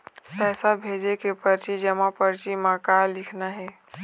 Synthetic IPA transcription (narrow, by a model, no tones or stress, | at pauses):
pɛːsabʱed͡ʒekepəɾt͡ʃid͡ʒəmãpəɾt͡ʃimãkalɪkʰnaɦɛ